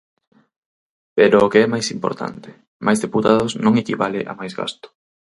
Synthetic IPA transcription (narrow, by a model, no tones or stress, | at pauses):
peɾʊːkeɛmajsimpo̰ɾt̪a̰nt̪ɪ̥ | majzðeput̪aðʊznõŋekiβalɪʔa̰majzɣa̰st̪ʊ̥